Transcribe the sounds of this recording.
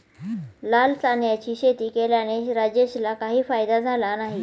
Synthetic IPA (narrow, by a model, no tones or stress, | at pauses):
lalsanjat͡ɕiːɕet̪iːkeljaneɾad͡ʑeɕlakaɦiːfajd̪ad͡zʱalanaɦi